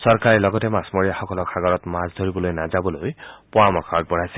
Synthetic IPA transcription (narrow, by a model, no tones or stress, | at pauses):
sɔɹkaɹɛlɔɡɔtɛmasmoɹijaxɔkɔlɔkʰaɡɔɹɔtmazd̪ʱoɹibɔlojnazabɔlojpɔamɔkʰak̚bɔɹajsɛ